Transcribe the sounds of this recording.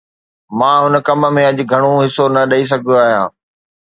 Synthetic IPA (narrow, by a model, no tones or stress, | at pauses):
mãːɦʊnəkɐmmẽɐʄɡʱɐɽ̃oɦɪsonɐɗɐis̬ɐɡ̪ʱoaːɦjã̰ː